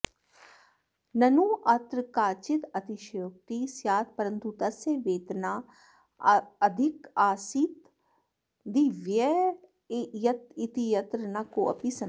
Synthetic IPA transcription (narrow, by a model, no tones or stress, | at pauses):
nɐnuʔɐt̪ɾəkaːt͡ʃɪt̪ɐt̪iʃjok̚t̪isjaːt̪̚ʰpɐɾənt̪ut̪ɐseʋeːt̪naː | ɐd̪ʱɪkaːsit̪ | d̪iʋjɐ | jɐt̪ɪt̪ijɐt̪ɾənakoʔɐ̰pisɐ